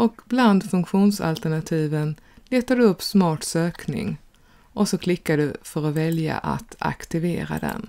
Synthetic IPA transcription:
ɔkbland̪fɵŋkɧuːnsa̰lt̪æɳat̪ʰiːvən | leːt̪ad̪ɵɵpːsmɑːʈsøːknɪ̰ŋ | ʔɔsɔkʰlɪkːad̪əfœɾɔvɛlja̰ʔa̰t̪a̰kt̪ɪveːɾa̰d̪ɛ̰n

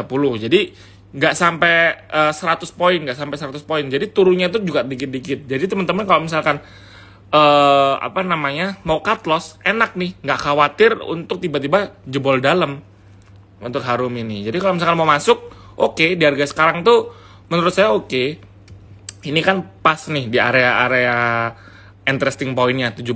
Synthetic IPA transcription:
apulʊhd͡ʒadi | ŋɡaʔsampɛəsəɾat̪ʊspoɪnŋɡaʔsampɛjsəɾat̪ʊspoɪnd͡ʒadit̪uɾunɲat̪ʊd͡ʒuɡaʔdikɪt̪̚dikɪt̪̚d͡ʒadit̪əmənt̪əmənkalomisalkan | əːa̰panamaɲamaukat̪lɔsenak̚nɪhŋɡaʔkawat̪ɪrṵnt̪ʊk̚t̪ibat̪ibad͡ʒəbɔldaləm | ṵnt̪ʊkɦaɾʊminɪhd͡ʒadikalomisalkanmaumasʊk̚ | ʔokediarɡasə̥kaɾaŋt̪u | mənuɾʊt̪̚sajaoke | inikanpasnɪhdia̰ɾeaʔːɾea | int̪əɾɛst̪ɪŋpoɪnɲat̪ud͡ʒub

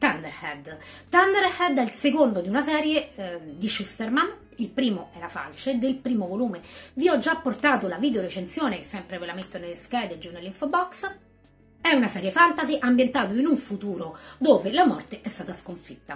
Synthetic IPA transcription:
t̪and̪erhɛd̪t̪and̪eɾhɛd̪ɛlsekond̪od̪iunasɛːɾjed̪iʃust̪erman | ilpɾiːmoɛːɾafa̰lt͡ʃoed̪elpɾiːmovoluːmeviɔd͡ʒːapːort̪aːt̪olaviːd̪eoɾet͡ʃent̪sjoːnekesːɛmpɾevelament̪ːonelskɛd̪ed͡ʒunelːiɱfobɔks | ɛunasɛːɾjefant̪aziʔambjent̪aːt̪oinuɱfut̪uːɾod̪oːvelamɔ̰rt̪eʔɛst̪aːt̪askoɱfi̥t̪ːa

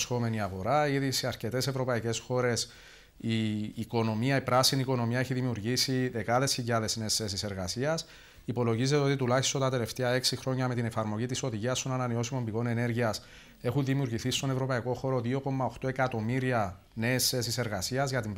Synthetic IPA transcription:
sxo̞me̞niɐɣo̞ɾaiðisiɐɾce̞t̪e̞se̞vɾo̞pɐice̞sxo̞ɾe̞s | iːko̞no̞miɐipɾaɐsiniːko̞no̞miɐe̞çiðimiuɾʝisiðe̞kɐðe̞sçiʎɐðe̞zne̞ːsθe̞s̬ise̞ɾɣɐsiɐs | ipo̞lo̞ʝizeeo̞t̪it̪ulɐçist̪ont̪ɐt̪e̞le̞ft̪eɐe̞ksixɾo̞ɲːɐme̞t̪ine̞fɐɾmo̞ʝit̪iso̞ðiʝiɐst̪o̞nɐnɐneo̞simo̞mbiɣo̞ne̞ne̞ɾʝiɐs | e̞xunðimiuɾɣiθist̪o̞ne̞vɾo̞pɐiko̞xo̞ɾo̞ðio̞ko̞mːɐoxt̪o̞e̞kɐt̪o̞miɾiɐ | ne̞ːsθe̞s̬ise̞ɾɣɐsiɐzʝɐt̪im

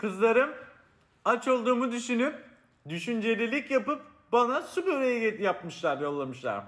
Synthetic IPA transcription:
kʰɯzlˠaɾɯm | at͡ʃo̞lˠd̪uːmud̪yʃynyp̚ | d̪yʃynd͡ʒe̞lʲilʲicjapɯp̚ | banasubøɾejɛjjapmɯʃlˠaɾjo̞lˠːamɯʃlˠa̰ɾ

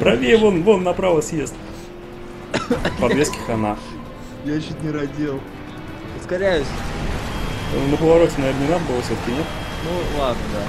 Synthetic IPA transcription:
pɾɐvʲevonvonːɐpɾavəsʲjest̪ | ppɐbvʲeskʲɪ̥xɐna | jaɕut̪nʲɪɾɐdʲelˠ | ʊskɐɾʲæjʊsʲ | nəpəvɐɾotʲɪnɐvʲernənʲɪnad̪əbɨlˠəfsʲot̪ə̥kʲɪnʲet̪nulˠad̪nəd̪a

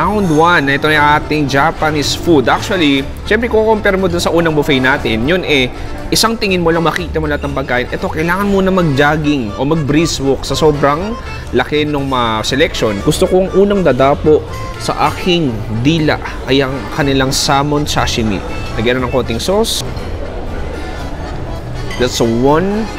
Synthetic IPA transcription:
awnd̪wanɐʔɛt̪o̞nɐjʔaːt̪ɪŋd͡ʒapɐnisfud̪ʔak̚t͡ʃʊɐli | ʃɛmpɾɛkokokompɛɾmod̪ʊnsɐʔuːnɐŋbʊfɛjnaːt̪ɪnjonɛ | ʔɪsaŋt̪ɪŋɪnmolɐŋmɐkiːt̪ɐmʊlɐat̪̚nɐŋpɐɡ̚kaːʔɪnʔɛt̪o̞kɐjlaːŋɐnmuːnɐmɐɡ̚d͡ʒaːɡɪŋʔo̞mɐɡ̚bɾiswoksɐsobɾɐŋ | lɐkɛnoŋmɐsɛlɛkʃo̞nɡʊst̪okoŋʔuːnɐŋd̪ɐd̪aːpo̞ʔ | sɐ̰ʔaːkʰɪŋ | d̪iːlɐ̰ʔ | ʔɐjʔɐŋkɐnɪlaŋsaːmonsaʃɪmḭ | lɐɡanɐnɐŋko̞ːt̪ɪŋsos | d̪ɐt̪sowon

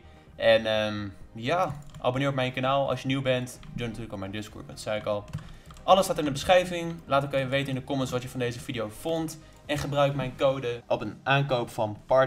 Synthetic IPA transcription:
ʔɛnəmjaːʔa̰bonɪːɹɔpmɛjnkanaːlˠɑ̰sjəniwbɛntdønətyːləkɔpmɛjndɪskɔ̰ɹbənsɛjɪkɑlˠʔɑləsaːtəɪndəbəsχrɛjvɪŋlaːtɪkajəʋejtənɪndəkɔmənsʋɑtjəfɑndejzəfidijowfɔnt | ɛnχəbrœɥkmɛjnkowdəʔɔpənʔaːnkowpfɑnpɑɹ

